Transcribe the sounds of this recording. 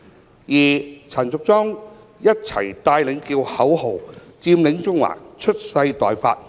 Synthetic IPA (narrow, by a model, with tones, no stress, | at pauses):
jiː˨˩t͡sʰɐ˨˩nt͡sʊ˨k̚t͡sɔː˥ŋ | jɐ˥t̚t͡sʰɐ̰˨˩jt̪aː˧jlɪ˨˥ŋkiː˧whɐ˨˥who˨˩wt͡siː˧mlɪ˨˥ŋt͡sʊ˥ŋwa̰ː˨˩kt͡ʃʰɵ˥t̚sɐ˧jt̪ɔː˨jfaː˧t̚